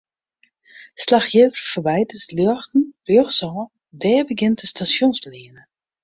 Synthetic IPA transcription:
slaxjəːvərfəʋɛjdəsljøxtn̩rjøxsɔː | dɛːbəɡɪntəstasjonsliənə

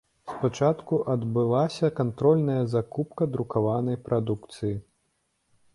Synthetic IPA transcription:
spat͡ʂat̪kuʔɐd̪bɨlˠasʲɐkant̪ɾɔlʲnɐjɐzakupkɐd̪ɾukavanɐjpɾʔad̪ukt̪sɨji

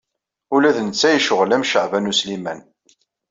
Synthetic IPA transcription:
ulæðnət͡sːæjiʃəʁlæmʃəʕvænuslimæn

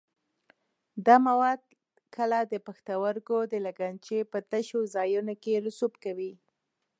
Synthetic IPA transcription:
d̪ɑmawɑd̪̚ | kəlad̪əpaxt̪awəɾɡod̪əlaɡant͡ʃepət̪aʃozɑjunokeɾʊsubkawi

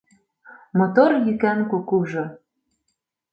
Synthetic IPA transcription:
mot̪orjykænkukuʒo

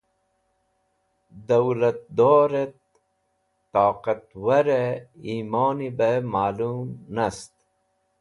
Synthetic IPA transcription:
d̪ɐwlɐt̪̚d̪oːɾet̪̚ː | aːqɐt̪wɐɾeiːmoːnibemaːluːmnɐst̪

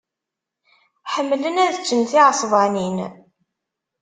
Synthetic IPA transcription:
ħəmːlənæðt͡ʃːənθiʕəsˤvɑnin

